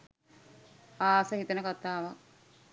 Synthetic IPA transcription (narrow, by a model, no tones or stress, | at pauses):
aːsəɦit̪ənəkat̪aːʋak̚